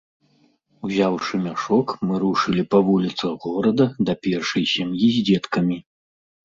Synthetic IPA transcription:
uzʲawʂɨmʲaʂɔkmɨɾuʂɨlʲipɐvulʲit̪sɐɣɣɔɾɐd̪ɐd̪ɐpʲɛrʂɐjsʲɛmjizʲd͡zʲɛt̪kɐmʲi

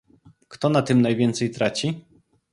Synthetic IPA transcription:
kt̪ɔnat̪ɘmnajvʲjɛnt̪sɛjt̪ɾat͡ɕi

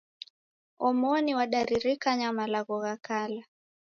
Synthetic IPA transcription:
ɔmɔniwaɗaɾiɾikaɲamalaɣɔɣakala

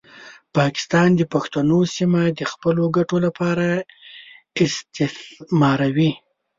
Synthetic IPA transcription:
pɑkɪ̥st̪ɑnd̪əpaxt̪anosimad̪əxpəloɡaʈolapɑɾa | ɪst̪ɪmɑɾawi

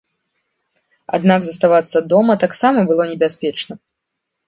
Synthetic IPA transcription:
a̰d̪naɡzɐst̪avat̪sːɐd̪ɔmɐt̪aksamɐbɨlˠɔnʲɛbʲasʲpʲɛt͡ʂnɐ

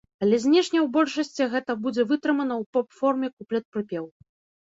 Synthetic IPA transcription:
ɐlʲɛzʲnʲɛʂnʲɐwbɔlʲʂɐsʲt͡sʲiɣɛt̪ɐbud͡zʲɛvɨt̪ɾɨmɐnɐwpɔpfɔrmʲɛkuplʲɛt̪̚pɾɨpʲɛw

